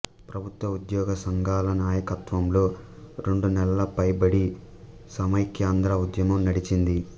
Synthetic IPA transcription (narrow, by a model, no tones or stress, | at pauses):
pɾɐbʱut̪ʋɐud̪jɔːɡɐsɐŋɡʱaːlɐnaːjɐkɐt̪ʋɐmlo̞ː | ɾe̞ɳɖunɛlɐlɐpɐjbɐɽi | sɐmɐjkjaːnd̪ɾɐud̪jɐmɐmnɐɽit͡ʃind̪i